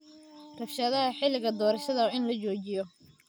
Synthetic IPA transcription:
rɐfʃɐðɐɦɐħɪlɪɣɐd̪ɔːɾɐʃɐðɐɪnlɐt͡ʃɔːt͡ʃɪjɔ

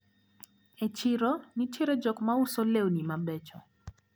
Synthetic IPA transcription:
et͡ʃɪɾɔnit͡ʃeɾɔd͡ʒɔkmaʊsolewonimabɛt͡ʃɔ

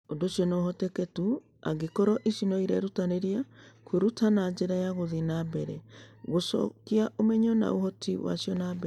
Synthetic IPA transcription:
ondosjɔnɔɦɔtɛketu | aɡekɔɾɔʔisinɔiɾɛɾutaneɾiakweɾutʰanaɲd͡ʑeɾajaɣoðinabɛɾɛɣosɔ̰kiaʔomɛɲɔna̰o̰hɔtʰiwa̰sijɔnabɛ

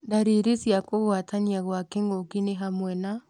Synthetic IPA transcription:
ndaɾeɾesjakoɣwataniaɣwakɛŋɡokineɦamwɛna

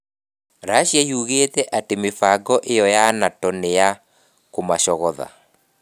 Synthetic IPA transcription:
ɾaɕjajuɣeːtɛʔatemefaɡɔʔejɔjanatɔneja | komaʃɔɣɔða̰

